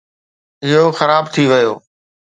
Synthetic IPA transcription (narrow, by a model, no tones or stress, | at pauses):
ɪɦoxəɾaːbt̪ʰiʋɪjoː